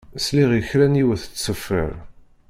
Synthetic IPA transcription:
sliʁəçɾæniwəθət͡sːsːəfːə̰ɾ

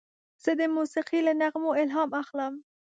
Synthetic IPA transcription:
z̥əd̪əmusiqilanaɣmoɪlɦɑmaxləm

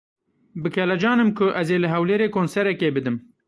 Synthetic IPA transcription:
bɨkʰɛlɛd͡ʒɑːnɨmkʰʊʔɛzeːlɨɦɛwleːɾeːkʰoːnsɛɾɛkeːbɨd̪ɨm

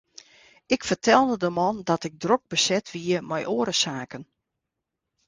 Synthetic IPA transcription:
ɪkfərtʰɛlˠdədəmɔndɔtɪɡ̚drok̚bəsɛtʰʋiəmɛjʔoːəɾəsaːkən

